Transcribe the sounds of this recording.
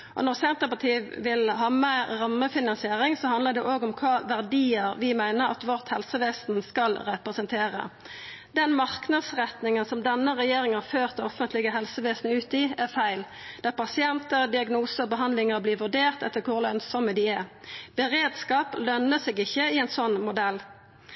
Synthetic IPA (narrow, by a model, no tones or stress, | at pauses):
ʔɔ̰nɔʁsɛnt̪əpɑt̪ʰiːʋʋɪlɦɑːmæːɑmːəfɪnɑnsɪeːʁɪŋsɔhɑnd̪ləd̪ɛʔoːɡɔmkʰɑːʋæʁd̪iːəʁʋɪmæɪnəʁɑ̰t̪ʋɔʁt̪hɛlsəʋeːsn̩skɑlʁɛpʁəsənt̪ʰeːʁə̰ | d̪ɛnmɑʁknɑd̪sʁɛt̪nɪŋənsɔmd̪ɛnːəʁɛjeːʁɪŋhɑføːʁt̪̚ɔfənt̪lɪɡəɦɛlsəʋeːsnəʉːt̪ɪæʁfæɪl | d̪̥ɑːpɑsɪɛnt̪əʁd̪ɪɑɡnuːsəɔbəɦɑnd̪lɪŋəʁbliːʋʉʁɖ̪eːʁt̪ɛt̪ːəkʰʊʁlœnsɔməd̪ɪæb̥əʁeːd̪skɑːplœnəsɛːɡɪçːəɪɛɪnsɔnːmʊd̪ɛl